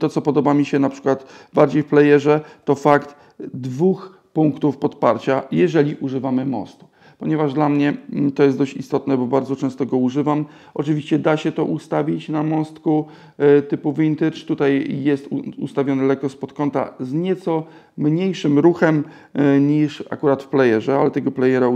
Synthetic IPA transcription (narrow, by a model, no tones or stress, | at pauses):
t̪ɔt̪sɔpɔd̪ɔbamʲiɕɛnapʂɘ̥kwat̪baɾd͡ʑejfplɛjɛʐɛt̪ɔfakt̪ | d̪vux | puŋkt̪ufpɔt̪pa̰ɾt͡ɕajɛʐɛlʲiʔuʐɘvamɘmɔ̰st̪u | pɔɲɛvaʐd̪lamɲɛt̪ɔjɛsɔɕt͡ɕist̪ɔt̪nɛbɔbaɾd̪zɔt͡ʂɛ̃st̪ɔɡɔuʐɘvam | ʔɔt͡ʂɨvʲiɕt͡ɕɛd̪aɕɛt̪ɔʔust̪avʲit͡ɕnamɔst̪ku | t̪ɘpuvint̪ɛt͡ʂt̪ut̪ajjɛst̪uṵst̪avʲjɔnɘlɛkɔspɔt̪kɔnt̪a̰zɲɛt̪sɔ | mɲejʂɘmɾuxɛm | ɲiʂa̰kuɾat̪fplɛjɛʐɛalɛt̪ɛɡɔplɛjɛɾa